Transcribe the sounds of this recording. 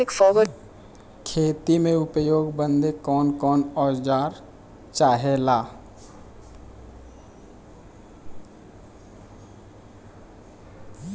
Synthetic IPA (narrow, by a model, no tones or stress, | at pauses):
ɪkfɔːbə | kʰeːt̪imẽʊpjoːɡbə̃nd̪ekɔːnkɔːnɔːd͡ʒd͡ʒaːɾ | t͡ʃaːɦelaː